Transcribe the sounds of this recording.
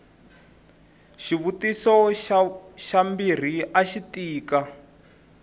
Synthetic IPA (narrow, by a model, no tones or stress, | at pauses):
ʃiβutisɔ | ʃambir̤iʔaʃitiːka